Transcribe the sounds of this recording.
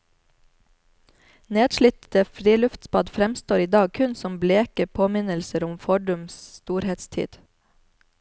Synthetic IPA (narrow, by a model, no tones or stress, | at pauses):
neːd̪ʃɭʏt̪əfɾiːlʉft̪spɑd̪fɾɛmst̪oːɾiːd̪ɑːɡ̚kʰʉnsɔmbleːkəpʰoːmɪnəlsəɾʊmfɔɖʊmsst̪uːɾheːt̪st̪ʰḭːd̪̥